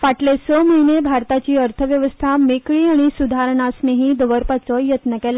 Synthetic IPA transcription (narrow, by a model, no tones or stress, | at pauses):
faʈlesəməinebʱaɾt̪at͡ɕiːəɾt̪ʰəʋjəʋəst̪ʰamekɭiːaɽ̃isud̪ʱaɾɳasneɦĩd̪əʋəɾpat͡səjət̪nəkɛla